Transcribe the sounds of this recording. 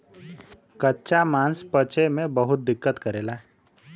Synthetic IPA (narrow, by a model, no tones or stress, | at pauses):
kɐtːʃamãːnspət͡ʃemẽbɐɦʊt̪̚d̪ɪkːət̪kɐɾeːlaɦ